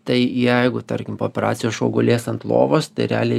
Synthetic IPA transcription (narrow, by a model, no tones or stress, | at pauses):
t̪ɐɪjɛɪɡʊt̪ɐɾʲkʲɪmpooːpʲɛɾɑ̰ːt̪sʲɪjoːsʃoːɡʊlʲeːsɐnt̪lˠo̰ːʋoːst̪ɐɪɾʲæ̰ːlʲe